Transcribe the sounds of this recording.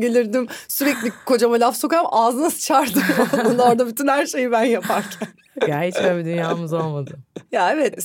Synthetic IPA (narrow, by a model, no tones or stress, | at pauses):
ɟe̞lʲiɾd̪imsyɾɛclʲikʰo̞d͡ʒamalʲafso̞kamaːzɯnasɯ̥t͡ʃʰaɾd̪ɯod̪und̪ao̞ɾd̪abyt̪ʰynhæɾʃe̞jibænjapʰaɾcʰæn | ɟæɾit͡ʃmɛbid̪ynjaːmɯzolˠmad̪ɯjaevɛt̪